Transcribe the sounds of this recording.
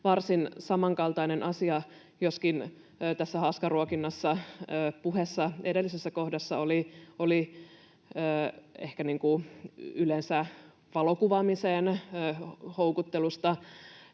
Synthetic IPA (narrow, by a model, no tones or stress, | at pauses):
ʋɑrsinsɑmɑŋkɑlt̪ɑinenʔɑsiɑ | joskinː | t̪æsːæhɑskɑruokinːɑsːɑːpuhesːɑedelːisesːæko̞hdɑsːɑolioli | əːehkæniŋkuylensæ | ʋɑlokuʋɑmiseːnː | houkut̪ːelust̪ɑ